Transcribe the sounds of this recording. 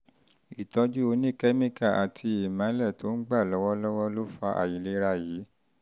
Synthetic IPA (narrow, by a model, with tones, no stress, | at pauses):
i˨tɔ˧d͡ʒu˦o˧nĩ˦˨kɛ˦mĩ˦˨ka˦˨ʔa˨tʰi˧i˨mã˨˦lɛ˦˨to˨˦n̩˦ɡ͡ba˦˨lɔ˨˦wɔ˦lɔ˦wɔ˦lo˦fa˧ʔa̰˨ji˨˦le˦ɾa˧jiː˨˦